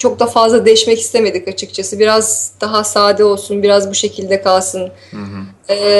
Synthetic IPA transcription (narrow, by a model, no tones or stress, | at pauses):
t͡ʃʰo̞k̚d̪afazlˠad̪e̞jiʃmɛci̥st̪ʰeme̞d̪icat͡ʃʰɯkt͡ʃʰasɯbiɾazd̪̥aɦasaːd̪ɛo̞lˠsunbiɾazbuʃe̞cʰilʲd̪ɛkʰalˠsɯn | ɛː